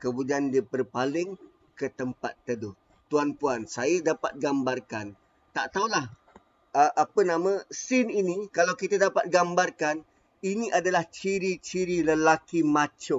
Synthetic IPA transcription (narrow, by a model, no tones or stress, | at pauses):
kəbudiandipərpalɪŋ | kət̪əmpa̰t̪ːədʊ | t̪uanpuansajədapa̰t̪̚ɡambarkan | t̪aʔt̪aulah | əʔapənãmə̃sɪninĩkalawkit̪adapa̰t̪̚ɡambarkan | inĩʔadalaht͡ʃiɾit͡ʃiɾiləlakimat͡ʃʊ